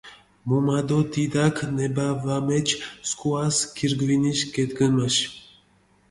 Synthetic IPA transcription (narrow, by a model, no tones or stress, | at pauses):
mumad̪ot̪id̪akʰnɛbavamɛt͡ʃʰskuaskʰiɾɡviniʃkɛt̪ɡənmaʃ